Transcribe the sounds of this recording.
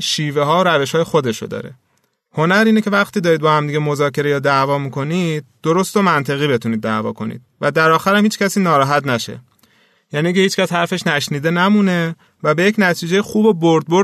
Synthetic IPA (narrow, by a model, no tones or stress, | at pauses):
ʃiːveɦɒːoɾæve̞ʃhɒːjexo̞d̪e̞ʃo̰d̪ɒ̰ːɾe̞̰ | ho̞næɾiːne̞cʰe̞væχt̪iːd̪ɒːɾiːd̪̚bɒːhæmd̪iːɟemo̞zɒːce̞ɾejɒːd̪ævɒːmiːko̞nid̪̥̚ːoɾost̪omænt̪ʰe̞ɣiːbe̞t̪ʰuniːd̪̚ːævɒ̰ːkʰo̞̰nḭːd̪̥̚væd̪æɾɒːxæɾæmhiːt͡ʃcæsiːnɒːɾɒːɦæt̪næʃe̞̰ | jæːniːce̞iːt͡ʃcæshæɾfe̞ʃnæʃniːd̪e̞næmune̞ | væbe̞jecnæt̪ʰiːd͡ʒejexuːboboɾd̪̚bo